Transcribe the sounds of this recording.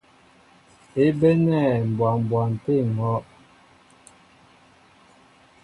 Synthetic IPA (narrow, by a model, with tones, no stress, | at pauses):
e˨˦be˦nɛ˦˨m̩˨bwa˨m˨bwa˨n˨te˦˨ŋɔ˨˦ʔ